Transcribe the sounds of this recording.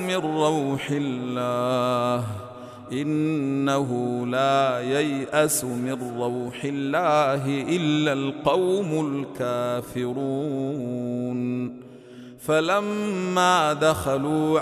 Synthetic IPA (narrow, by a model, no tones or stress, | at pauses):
mɪnːɑwħɪːaːh | ʔɪnːaɦʊlaːjajʔasʊmɪrːɑwħɪlːaːɦɪʔɪlːalqɑwmʊlkaːfɪɾuː | n | falamːaːd̪axaluː